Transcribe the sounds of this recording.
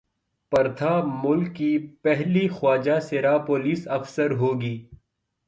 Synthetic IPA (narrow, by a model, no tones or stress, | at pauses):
pɐɾt̪ʰamʊlkːipɛɦlixwaːd͡ʒaseɾaːpoːliːsɐfsəɾɦoːɡiː